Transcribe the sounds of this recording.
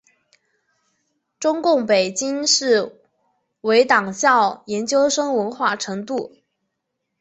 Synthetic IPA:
ʈ͡ʂʊ˥ŋkʊ˥˩ŋpe˨˩ɪt͡ɕi˥ŋʂɻ̩˥˩ | we˧˥ɪt̪ɑ˨˩ŋɕjɑ˥˩ʊjɛ˧˥nt͡ɕjo˥ʊʂɤ˥ŋwə˧˥nxwa˥˩ʈ͡ʂʰɤ˧˥ŋt̪u˥˩

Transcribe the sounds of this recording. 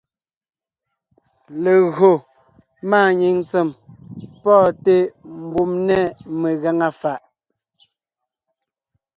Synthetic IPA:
le˨ɣo˨ | maː˦˨ɲi˨ŋt͡se˨mpɔː˦˨te˦m̩˨bu˦mnɛ˦me˨ɣa˦ŋa˦fa˨ʔ

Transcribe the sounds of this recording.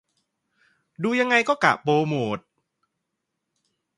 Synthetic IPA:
duː˧ja˧ŋːa˧jkɔː˥˩ka̰˨˩poː˧moː˨˩t̪̚

